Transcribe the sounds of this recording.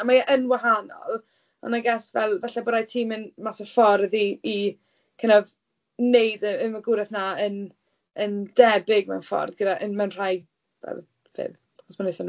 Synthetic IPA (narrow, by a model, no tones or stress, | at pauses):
amaʔənwaɦanɔ̰lˠ | ɔ̰naɡasvɛlˠvɛɬɛbɔɾajtʰiːmənmasɔfɔrðiː | kʰənað | nejdəənvəɡʊɾɛθnaən | əndɛbɪɡmɛ̰wnfɔ̰rðɡədaʔənmɛwnr̥aj | vɛ̰lˠ | fɪ̰ð | ɔsmanesan